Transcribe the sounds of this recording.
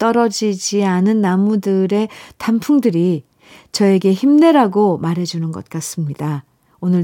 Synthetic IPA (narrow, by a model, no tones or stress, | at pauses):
t͈ʌɾʌd͡ʑid͡ʑianɯnːamudɯɾe̞tʰampʰuŋdɯɾi | t͡ɕʌe̞ɡe̞çimne̞ɾaɡomaɾɦe̞d͡ʑunɯnɡʌt̚k͈as͈ɯmɲida | onɯɭ